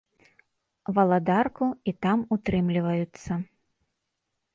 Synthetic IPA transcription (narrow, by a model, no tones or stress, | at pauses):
vɐlˠad̪arkuit̪amut̪ɾɨmlʲivɐjut̪sːɐ